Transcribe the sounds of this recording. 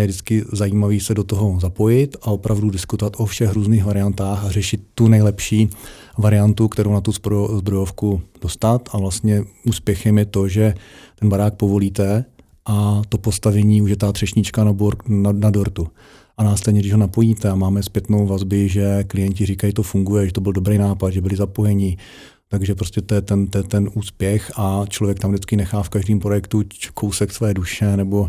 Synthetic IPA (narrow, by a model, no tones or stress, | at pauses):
jɛdɪt͡skɪzajiːmaviːsɛdo̞t̪oɦo̞zapo̞jɪt̪ao̞pɾavdudɪskut̪ovat̪ʔo̞fʃɛxɾuːzniːxvaɾɪant̪aːxarɛʃɪt̪ːunɛjlɛpʃiː | vaɾɪjant̪ukt̪ɛɾo̞wnat̪uzpzbɾojofkud̥ost̪at̪avlast̪ɲɛuːspjɛxɛmjɛt̪o̞ʒɛt̪ɛnbaɾaːk̚po̞vo̞liːt̪ɛ | ʔat̪o̞po̞st̪avɛɲiːuʃjɛt̪aːt̪r̥ɛʃɲɪt͡ʃkanbnnadoɾt̪u | ʔanaːslɛdɲɛɡdɪʒɦo̞napojiːt̪ɛamaːmɛspjɛt̪nowvazbɪʒɛklɪjɛɲcɪriːkajit̪o̞fuŋɡujɛʒɛt̪o̞bɪldobɾejnaːpad̪ʒɛbɪlɪzapo̞jɛɲɪ | t̪aɡʒɛpɾoscɛt̪ojɛt̪ɛnt̪ojɛt̪ɛnʔuːspjɛxat͡ʃlo̞vjɛk̚t̪amdɪt͡skɪnɛxaːfkaʒdiːmpɾojɛkt̪ukʰo̞wsɛksvɛːduʃɛnɛbo̞